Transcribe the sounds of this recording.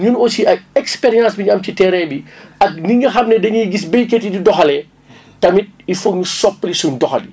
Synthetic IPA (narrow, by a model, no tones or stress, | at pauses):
ɲunosiʔɐk̚ɛkspeɾijãːsbiɲɐmcitɛɾɛbiɐk̚niŋɡɐxɐmnɛdɐɲiɡis̬bejketididɔxɐlɛ | tɐmit̚ifokɲusɔpːlisuɲdɔxɐ̰di